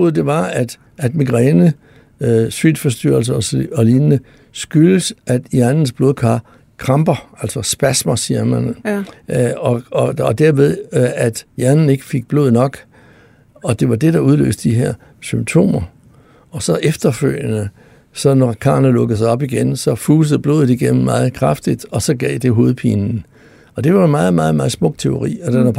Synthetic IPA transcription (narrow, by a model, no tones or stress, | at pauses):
oð̩ˠd̥e̝ʋɑ̈æd̥ | æd̥miɡ̥ʁɛnə | sʋid̥fɒ̽sd̥y̰ɐl̩sɐɒɒ̽linənə | sɡ̥yləsʔæd̥jæɐnn̩sb̥lo̝ːðˠkʰɑ̰̈ː | kʰʁɑ̈mb̥ɐælsɒsb̥æsmɐsiɐmæn | ɒɒd̥æɐʋeðˠæd̥jæɐnn̩e̝ɡ̥ə̥fe̝ɡ̥̚b̥lo̝ːðˠnɒ̽ɡ̥ | ɒ̽d̥e̝ʋɑ̈d̥e̝ɾ̥ɑ̈uð̞ˠlø̰ːsd̥d̥iɦeɐ̰ | symb̥̚t͡sʰo̝̰ːmɐ | ɒ̽sɒ̽ʔefd̥ɐføl̰jənə | sɒ̽nɒkʰɑ̰̈ːnəlɔ̽ɡ̥əð̩ˠs̬ɑ̈ɪɒ̽b̥iɡ̥ensɒ̽fuːs̬ð̩ˠb̥lo̝ːð̩ˠiɡ̥enm̩mɑ̈ːð̞̩ˠkʰʁɑ̈fd̥id̥ɒ̽sɒ̽ɡ̥ɛ̰ːd̥e̝ɦo̝ːð̞̩ˠpʰḭːnn̩ | ɒ̽d̥e̝ʋɑmɑ̈ːð̩ˠmɑ̈ːð̩ˠmɑ̈ːð̞̩ˠsmɔ̽ɡ̥̚t͡sʰe̝o̝ʁḭːɒd̥enæ